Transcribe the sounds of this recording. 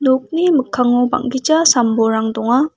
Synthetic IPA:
nok̚nimɯkʰːaŋɔba̰ŋɡit͡ʃasambɔɾaŋdɔŋa

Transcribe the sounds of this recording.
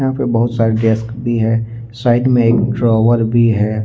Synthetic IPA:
ɦãpebɐɦʊt̪saːɾeɖɛskbʱiɦɛ | saːɪd̪mẽeːkɖɾɔːʋəɾbʱiɦɛː

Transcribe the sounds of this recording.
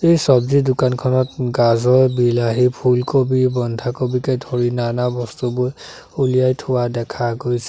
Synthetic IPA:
ejsɔbzidʊkankʰɔnɔtɡazɔɹbilaɦipʰulkobibɔndʱakobikɛdʱoɹinanabɔstubʊj | ulijajtʰʊwadɛkʰaɡojsɛ

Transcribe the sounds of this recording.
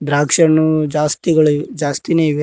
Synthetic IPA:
d̪ɾaːkʂɐnud͡ʒaːst̪iɡɐɭud͡ʒaːst̪ineːiʋe

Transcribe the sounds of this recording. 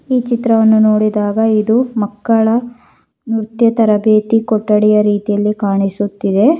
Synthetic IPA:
iːt͡ʃit̪ɾɐʋɐnːuno̞ːɽid̪aːɡɐid̪umɐkːɐɭɐ | nuɾt̪jɐt̪ɐɾɐbeːt̪ikɔʈːɐɽɛjɐɾiːt̪ijɐlːikaːɳisut̪ːid̪e̞

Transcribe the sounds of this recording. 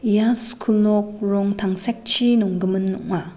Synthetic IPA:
ijasu̥kʰulnɔk̚ɾɔŋtʰaŋsɛk̚t͡ʃʰinɔŋɡɯmɯnːɔ̰ŋma

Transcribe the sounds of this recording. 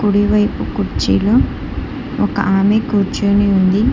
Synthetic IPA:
kuɽiʋɐjpukuɾt͡ʃḭːloː | ɔkɐ̰ʔaːmekuːɾt͡ʃuːniund̪i

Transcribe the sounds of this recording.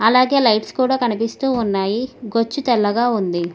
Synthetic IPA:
ɐlaːɡe̞ːlɐjʈskuːɽaːkɐnipist̪uːunːaːjiɡot͡ʃːut̪ɛlːɐɡaːund̪i

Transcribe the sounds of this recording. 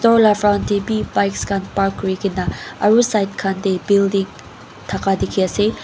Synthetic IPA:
tɔlafʰɾawntebibajkskʰanpaɾkːɾiɡinaɐɾusajt̚kʰandebildiŋ | t̪ʰakadikʰiase

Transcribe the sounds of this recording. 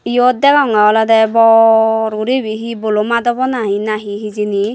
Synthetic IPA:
ijod̪ɛɡɔŋaɔlad̪ɛbɔɾuɾebiɦibolomad̪ɔbɔnaɦinaɦiɦizini

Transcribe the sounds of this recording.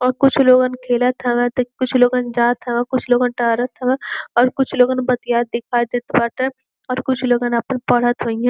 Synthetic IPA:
ɔːɾkʊt͡ʃʰloːɡankʰeːlət̪ʰɦɛʋɛ̃t̪kʊt͡ʃʰloːɡand͡ʒaːt̪ʰɦɛʋɛ̃kʊt͡ʃʰloːɡanʈəːɾət̪ʰɛ̃ʋɛ̃ɔːɾkʊt͡ʃʰloːɡaːnbɐt̪ijaːɾd̪ɪkʰad̪et̪bɐʈɛ̃ | ɔːɾkʊt͡ʃʰloːɡanɐpənpɐɽ̤ət̪ɦoĩɛ̃ː

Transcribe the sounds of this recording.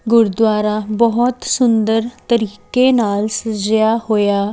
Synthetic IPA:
ɡʊɾd̪waːɾaːbɔɦɔt̪sʊnd̪əɾt̪əɾiːkeːnaːlsəd͡ʒjaːhoːjaː

